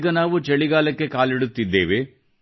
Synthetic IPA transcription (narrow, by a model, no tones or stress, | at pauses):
ɡɐnaːʋut͡ʃeɭiɡaːlɐkːe̞kaːliɽut̪ːid̪ːeːʋe